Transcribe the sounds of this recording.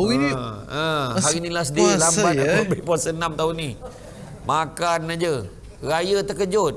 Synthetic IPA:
iə̃ɦaɾinilas̬ədiilambat̪̚aəbepwasənamt̪auni | makanad͡ʒə | rajət̪əkəd͡ʒʊt̪̚

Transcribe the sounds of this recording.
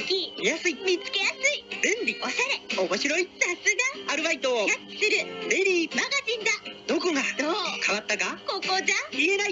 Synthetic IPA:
kʲijasɨimʲit͡sɨ̥ke̞jasɨibẽmbʲio̞ɕaɾe̞omo̞ɕiɾo̞isasɨɡaaɾɯ̟βait̪ojaki̥sɨɾɯ̟be̞ɾʲiːmaɡaʑĩnd̪ad̪̥o̞ko̞ɡad̪oːkaβat̪ːakako̞ːko̞ːzãienai

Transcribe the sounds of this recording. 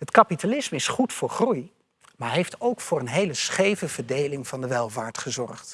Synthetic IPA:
ɦətkɑpitalɪsməɪsχutfʊːɹχruj | maːɹɦejftowkfʊːɹənɦejləsχejvəv̥əɹdejlɪŋvɑndəʋɛlˠvaːɹtχəzɔrχt

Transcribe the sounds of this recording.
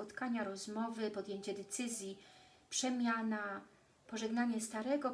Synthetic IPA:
ɔt̪kaɲaɾɔzmɔvɘpɔd̪jeɲt͡ɕɛd̪ɛt̪sɘzʲji | pʂɛmʲjana | pɔʐɛɡnaɲɛst̪aɾɛɡɔ

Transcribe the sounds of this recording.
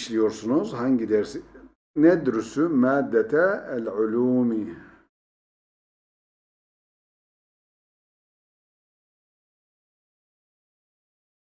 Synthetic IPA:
ʃlijoɾsunozhaŋɡid̪ɛɾs | nɛd̪ɾusumaːd̪ːɛt̪ʰalʕuluːmi

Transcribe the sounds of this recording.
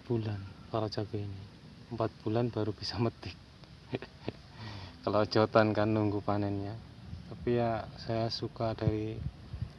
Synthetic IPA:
b̥ulankaɾad͡ʒaɡ̥aini | əmpat̪̚b̥ulanb̥aɾub̥isamət̪ɪk̚ | kalḁd͡ʒ̥ɔt̪ankanːuŋɡupanɛnɲa | t̪apijasajasukada̤ɾi

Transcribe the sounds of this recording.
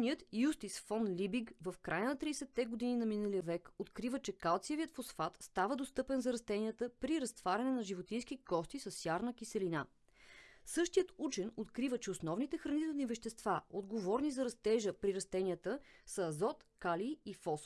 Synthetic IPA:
nijət̪just̪isfɔnlʲibiɡvəfkɾʔajənɐt̪ɾisɛt̪ːɛɡod̪ininɐminəlijəvɛkot̪kɾivət͡ʃɛkalˠt̪siɛviət̪fosfat̪st̪avəd̪ost̪ɤpɛnzɐɾɐst̪ɛniət̪əpɾiɾɐst̪vaɾʲɐnɛnɐʒivot̪inskikɔst̪isəsjaɾnək̟isɛlina | sɤʃt̪ijət̪ut͡ʃɛnot̪kɾivət͡ʃɛosnɔvnit̪ɛxɾɐnit̪ɛlˠnivɛʃt̪ɛst̪vaod̪ɡovɔɾnizɐɾɐst̪ɛʒəpɾiɾɐst̪ɛniət̪əsəːzɔt̪kaliifɔs

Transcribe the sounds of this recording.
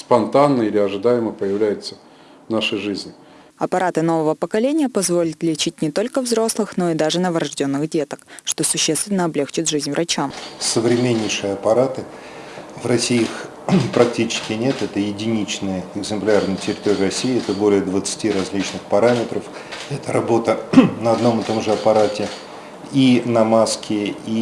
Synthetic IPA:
spɐnt̪anːəilʲɪɐʐɨd̪ajɪməpəjɪvlʲæjɪt̪sə | vnaʂəjʐɨzʲnʲɪ | ɐpɐɾʔat̪ɨno̞vəvəpəkɐlʲenʲɪjəpɐzvolʲət̪lʲɪt͡ɕit̚ʲnʲɪt̪o̞lʲkəvzɾo̞slˠɨxno̞iɪd̪aʐɨnəvəɾɐʐdʲo̞nːɨxdʲe̞t̪ə̥kʂt̪o̞sʊɕːest̪vʲɪnːəɐblʲe̞xt͡ɕɪt̪ʐɨzʲnʲvrʔɐt͡ɕamsəvɾʲɪmʲenʲːɪjʂɨjəɐpɐɾat̪ɨ | vrɐsʲiix | pɾɐk̚tʲit͡ɕɪ̥skʲɪnʲe̞t̪ɛt̪əjɪdʲɪnʲit͡ɕnɨjəɪɡzɨmplʲarnɨjətʲɪɾʲɪt̪o̞ɾʲɪrɐsʲːijːɛt̪əbo̞lʲɪjəd̪vət̪sɨ̥tʲiɾɐzʲlʲit͡ɕnɨxpɐɾamʲɪt̪ɾəf | ɛt̪əɾɐbo̞t̪ənəɐd̪no̞mɨt̪o̞mʐɨɐpɐɾatʲɪ | inɐmaskʲɪi

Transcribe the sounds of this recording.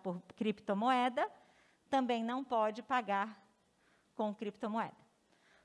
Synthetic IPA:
poɾkɾipt̪omoɛd̪ɐ | t̪ɐ̃mbẽj̃nɐ̃w̃pɔd͡ʒɪpaɡaɾ | kõw̃kɾipt̪omoɛ̰d̪ɐ

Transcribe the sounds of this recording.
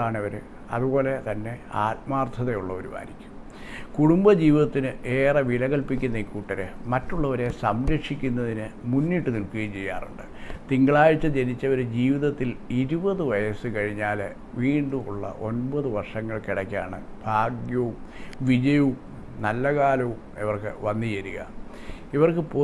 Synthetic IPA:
aːɳiʋɐɾɨ | ɐ̰ðubo̞ːle̞t̪ɐnːe̞aːt̚maːrt̪ʰɐðejuɭːɐoɾuma̰ːɾikʲːu̥m | kuɽumbɐd͡ʑiːʋiðɐt̪ːinɨʔeːrɐʋilɐɣɐlpikʲːunːɐikːuːʈːɐɾɨmɐtːuɭːɐʋɐɾe̞sɐmɾɐkʂikʲːunːɐðinɨmunːiʈːɨnilkɨɣɐjt͡ɕe̞jːa̰ːruɳɖɨt̪iŋɡɐɭaːjit͡ɕːɐd͡ʑenit͡ɕːɐʋɐɾud͡ʑiːʋiðɐt̪ːiliɾubɐðɨʋɐjɐsɨkɐɻiɲːaːle | ʋiːɳɖumuɭːɐ̰ʔo̞nbɐðɨʋɐrʂɐŋːɐɭkiɽɐkʲːa̰ːɳɨ̰b̥ʱaːɡjɐʋum | ʋid͡ʑɐjum | nɐlːɐkaːlɐʋumḛʋɐrkɨ̰ʋɐnːit͡ɕeɾuɣɐ̰ | iʋɐrkɨpo

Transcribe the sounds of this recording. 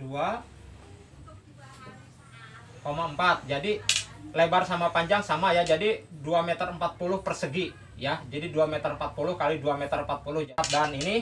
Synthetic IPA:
dua | komaəmpat̪̚d͡ʒadilebarsamapaɲd͡ʒaŋsamajad͡ʒadiduamet̪əɾəmpat̪̚pulʊhpərsəɡi | jad͡ʒadiduamɛt̪əɾəmpat̪̚pulʊhkaliduamɛt̪ərəmpat̪̚pulʊhd͡ʒat̪̚danini

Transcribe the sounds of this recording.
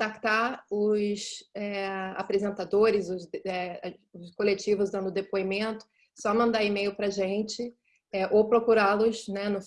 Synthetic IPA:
t̪akt̪aɾʊsɛa̰pɾezẽnt̪ad̪oɾɪzʊzɛ | ʊskolet͡ʃivʊzd̪ɐ̃nd̪ʊd̪epoimẽnt̪ʊ̥ | sɔmɐ̃nd̪aimejʊpɾɐʒẽnt͡ʃɪ | ɛʔowpɾokuɾalʊsnɛnʊ

